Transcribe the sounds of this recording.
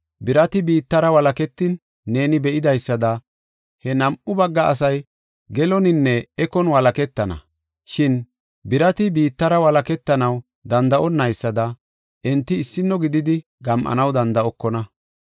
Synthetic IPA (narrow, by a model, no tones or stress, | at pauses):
bɪɾɐt̪ɪbiːt̪ːɐɾɐwɐlɐkɛt̪ːɪnː | e̞ːnɪbɛʔɪd̪ɐjsːɐd̪ɐ | hɛnɐmʔʊbɐɡːɐʔɐs̬ɐj | ɡɛlɔnɪnːɛɛkɔnwɐlɐkɛt̪ːɐnɐ̰ | ʃɪn | bɪɾɐt̪ɪbiːt̪ːɐɾɐwɐlɐkɛt̪ːɐnɐw | d̪ɐnd̪ɐʔɔnːɐjsːɐd̪ɐ | ʔɛnt̪ːɪːsːɪnːɔɡɪd̪ɪd̪ɪ | ɡɐmʔɐ̰nɐwd̪ɐnd̪ɐʔɔkːɔnɐ